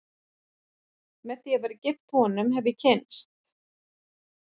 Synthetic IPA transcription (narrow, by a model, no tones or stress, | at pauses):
mɛðθiavaɾɪcɪft̪hɔnʏmɦɛvðɪcʰɪnst̪